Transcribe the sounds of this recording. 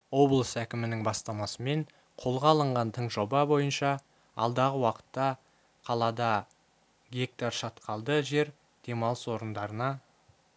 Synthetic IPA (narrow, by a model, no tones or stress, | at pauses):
wo̞blˠəsækʲɪmɪnɪŋbɑst̪ɑmɑsəme̞ɴ | qʰo̞lˠʁɑlˠəɴʁɑnt̪ʰəɴʒo̞bɑbo̞jənʃɑ | ɑ̰lˠd̪ɑʁəwɑqə̥t̪ːɑ | qʰɑlˠɑd̪ɑ | ɡʲe̞k̚t̪ɑɾʃɑt̪qʰɑlˠd̪əʒe̞ɾ | d̪̥e̞mɑlˠəswo̞ɾənd̪ɑɾənɑ